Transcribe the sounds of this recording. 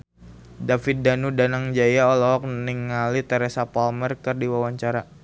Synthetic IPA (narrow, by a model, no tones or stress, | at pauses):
dafit̪̚danudanaŋd͡ʒajaɔlɔɦɔk̚niŋalit̪ɛɾɛsapalmɛrkɨrdiwawaɲt͡ʃaɾa